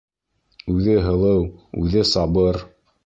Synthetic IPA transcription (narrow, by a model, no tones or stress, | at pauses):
ʉðɘɦɤ̆lˠɤwʉðɘsɑβɤɾ